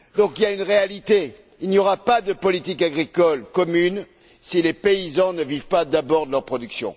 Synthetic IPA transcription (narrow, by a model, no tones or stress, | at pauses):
d̪ɔ̃kiljaynʁealit̪e | ilnjɔʁapad̪əpɔlit̪ikaɡʁikɔlkɔmyn | silepeizɑ̃nəvivpad̪abɔʁd̪əlœʁpχɔd̪yksjɔ̰̃